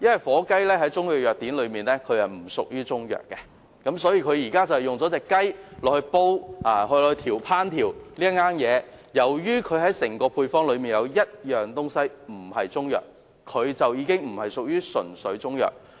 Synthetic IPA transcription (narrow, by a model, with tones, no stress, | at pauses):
jɐ˥nwɐ˨˩jfɔː˨˥kɐ˥jlɛː˥ɦɐ˨˥jt͡ʃʊ˥ŋjœː˨jœː˨k̚t̪iː˨˥nlɵ˨˧miː˨˩nlɛː˥kʰɵ˨˧ɥhɐ˨jm̩˨˩sʊ˨k̚jyː˥t͡sʊ˥ŋjœ̰ː˨k̚ːɛ˧ | kɐ˨˥msɔː˨˥jiː˧kʰɵ˨˧ɥjiː˨˩kaː˥t͡sɐ˨whɛ˨jʊ˨ŋt͡sɔ˨˥t͡sɛː˨kːɐ˥jlɔː˨hɵ˧po˥waː˨˧ɦɵ˧lɔː˨˧ht̪ʰiː˨˩wpʰaː˥nt̪ʰiː˨˩wliː˥ŋaː˥njɛː˨˧jɐ˨˩wjyː˥kʰɵ˨˧ɥhɐ˨˥jsɪ˨˩ŋkɔː˧pʰuː˧jfɔː˥ŋlɵ˨˧ɥmiː˨njɐ˨˧wjɐ˥t̚jœː˨ŋt̪ʊ˥ŋsɐ˥jm̩˨˩hɐ˨jt͡sʊ˥ŋjœ̰ː˨k̚ʰː | ɵ˨˧ɥt͡sɐ˨wjiː˨˧kɪ˥ŋm̩˨˩hɐ˨jsʊ˨k̚jyː˥sɵ˨˩nsɵ˨˥ɥt͡sʊ˥ŋjœ̰ː˨k̚